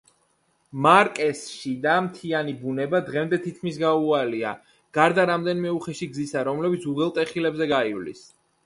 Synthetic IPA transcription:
maɾkʼɛsʃid̪amt̪ʰianibunɛbad̪ʁɛmd̪ɛt̪ʰit̪̚kʰmisɡaualia̰ | ɡ̥aɾd̪aɾamd̪ɛnimɛuχɛʃiɡzisaɾɔmlɛbit̪sʰuʁɛlˠt̪ʼɛχilɛbzɛɡaivlḭs

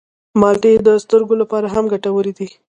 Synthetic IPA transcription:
mɑlʈed̪əst̪əɾɡolapɑɾaɦamɡaʈawəɾid̪i

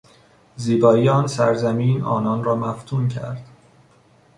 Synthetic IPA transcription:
ziːbɒːjɒːnsæɾzæmiːnɒ̰ːnɒːnɾɒːmæft̪ʰuːncʰæ̰ɾd̪̥

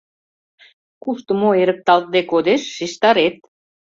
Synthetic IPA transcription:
kuʃt̪ə̆moeɾə̆k̚t̪ɑlt̪̚d̪ekod̪eʃːiʃt̪ɑɾet̪̚

